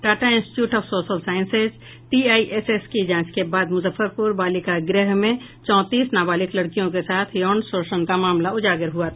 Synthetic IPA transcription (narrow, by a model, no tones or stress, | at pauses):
ʈaːʈaɪ̃nsʈɪ̥ʈjuːʈɔːfsoːʃəlsaːɪ̃nsez | ʈiːaːiʔeseskid͡ʒãːt͡ʃkebaːd̪mʊzəfəɾpʊɾbaːlikaɡɾəɦmẽ | t͡ʃɔ̃ːt̪iːsnaːbaːlɪklɐɽkijõkesaːt̪ʰjɔːnsoːɾʃənkamaːmlaʊd͡ʒaːɡɪɾɦuat̪